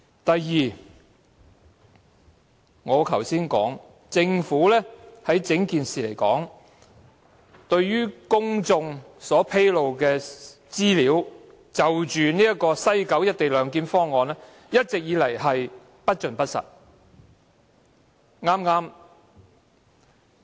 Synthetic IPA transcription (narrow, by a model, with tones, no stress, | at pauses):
t̪ɐ˨jːiː˨ | ŋɔː˨˧kʰɐ˨˩wsiː˥nkɔ̰ː˨˥ŋ | t͡sɪ˧ŋfuː˨˥lɛː˥hɐ˨˥jt͡sɪ˨˥ŋkiː˨nsiː˨le˨˩jkɔ̰ː˨˥ŋ | t̪ɵ˧ɥjyː˥kʊ˥ŋt͡sʊ˧ŋsɔː˨˥pʰe˥jlo˨wkɛː˧ | t͡siː˥liː˨˥w | t͡sɐ˨wt͡ʃyː˨niː˥ɐ˥kɔː˧sɐ˥jkɐ˨˥wjɐ˥t̚t̪e˨jlœː˨˧ŋkiː˨˥nfɔː˥ŋːɔː˨˧nɛ˥ | jɐ˥t̚t͡sɪ˨k̚jiː˨˧lɐ˨˩jhɐ˨j | pɐ˥t̚t͡ʃɵ˨npɐ˥t̚sɐ̰˨˩t̚ | ŋaː˥mŋaː˥m